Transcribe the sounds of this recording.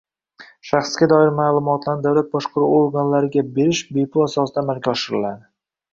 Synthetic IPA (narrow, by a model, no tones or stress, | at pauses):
ʃaχsɡʲad̪ɒɪɾmaːlˠʊmɒt̪ʰlˠand̪awlat̪̚bɒʃqɑɾuoɾɡanlaɾɪɡʲabe̞ɾɪʃbe̞jpʰʊlˠasɒsɪd̪aːmalɡʲaɒʃɪɾɪlad̪ɪ